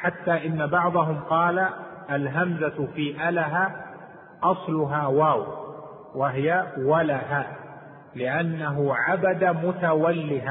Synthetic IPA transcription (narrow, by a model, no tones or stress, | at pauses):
ħat̪ːaːʔɪnːabɑʕðˤɑɦʊmqɑːla | ʔalɦamzafiːʔalaɦaː | ʔɑsˤlʊɦaːwaːw | waɦɪjawalaɦaː | lɪʔanːaɦʊʕabad̪amʊt̪awalːɪɦa